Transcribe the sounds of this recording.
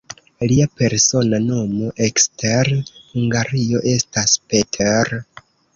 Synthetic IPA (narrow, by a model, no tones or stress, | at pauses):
liape̞ɾso̞nano̞mo̞ʔeksteɾhuŋɡaɾio̞ʔe̞staspetʰeɾ